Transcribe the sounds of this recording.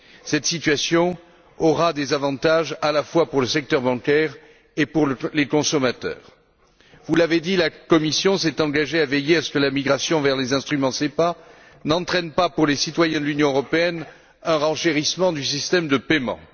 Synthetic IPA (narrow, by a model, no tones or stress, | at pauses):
sɛt̪sit̪ɥasjɔ̃ | ɔʁad̪ezavɑ̃t̪aʒalafwapuʁləsɛk̚t̪œʁbɑ̃kɛʁ | epuʁləlekɔ̃sɔmat̪œ̰ːʁ | vulaved̪ilakɔmisjɔ̃sɛt̪ɑ̃ɡaʒeavejeasə̥kəlamiɡʁasjɔ̃vɛʁlezɛ̃st̪χymɑ̃sepa | nɑ̃t̪χɛnpapuʁlesit̪wajɛ̃d̪əlynjɔ̃øʁɔpeɛn | ɛ̃ʁɑ̃ʃeʁismɑ̃d̪ysist̪ɛmd̪əpemɑ̰̃